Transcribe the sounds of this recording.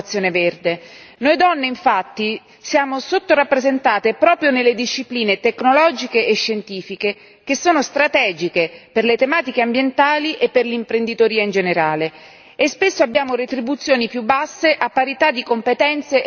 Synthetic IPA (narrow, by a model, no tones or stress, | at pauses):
t̪sːjoːneverd̪e | nojd̪ɔnːeiɱfat̪ːi | sjaːmosot̪ːorapːɾezent̪aːt̪epɾɔːpɾjonelːed̪iʃːipliːnet̪ekːnolɔːd͡ʒikeʔeʃːent̪iːfike | k̟esːoːnost̪ɾat̪ɛːd͡ʒikeperlet̪emaːt̪ikeambjent̪aːliʔepːerlimpɾend̪it̪oɾiːaind͡ʒeneɾaːle | espesːoabːjaːmoɾet̪ɾibut̪sːjoːnipjubːasːeʔapːaɾit̪ad̪ːikompet̪ɛnt̪se